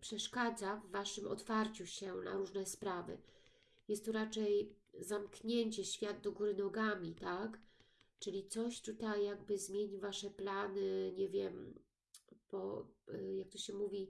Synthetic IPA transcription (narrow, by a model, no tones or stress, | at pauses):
pʂɛʂkad̪zavːaʂɘmɔ̰t̪faɾt͡ɕuɕɛna̰ɾuʐnɛspɾavɘ̰ | jɛst̪ːɔɾat͡ʂɛjzamkɲeɲt͡ɕɛɕfʲjad̪̚d̪ɔɡuɾɘnɔɡamʲit̪akt͡ʂɘlʲit̪sɔɕt̪ut̪ajːaɡ̚bɘzmʲjeɲivaʂɛplanɘɲɛvʲjɛm | bɔjak̚t̪ɔɕɕɛmuvʲi